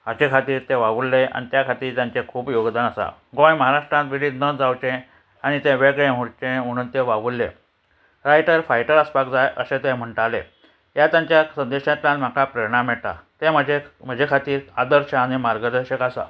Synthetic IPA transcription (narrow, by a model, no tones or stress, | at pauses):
at͡ɕekʰat̪iːɾt̪eʋaʋulːea̰nit̪jakʰat̪iːɾt̪jãɲt͡ɕekʰuːpjoɡd̪anasa̰ɡõjməɦaɾaʂʈɾãnt̪ʋiliːd̪nəd͡zawt͡ɕẽ | aɽ̃it̪ẽʋeɡɭẽm̤uɽt͡ɕẽm̤əɽ̃uːnt̪eʋaʋulːḛ | ɾajʈəɾfajʈəɾəspakd͡zajʔəsẽt̪ẽm̤əɳʈalḛ | jat̪jaɲt͡ɕjasənd̪eɕãt̪lãnm̤akapɾeɾɳamɛɭt̪a̰t̪eməd͡ʑem̤əd͡ʑʱekʰat̪iːɾad̪əɾɕəaɽ̃imaɾɡəd̪əɕəkasa̰